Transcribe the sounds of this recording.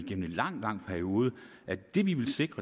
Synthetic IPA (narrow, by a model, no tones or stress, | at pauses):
iɡ̥em̰n̩enlɑ̈ŋ̰d̥lɑ̈ŋ̰̥pʰæɐio̝ːð̞ˠə | ʔæd̥e̝ʋiʋe̝lse̝ɡ̥ʁɐ